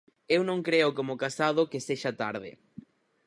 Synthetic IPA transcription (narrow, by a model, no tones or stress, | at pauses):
ewnõŋkɾeʊkomokasað̞ʊkeseʃat̪aɾðɪ̰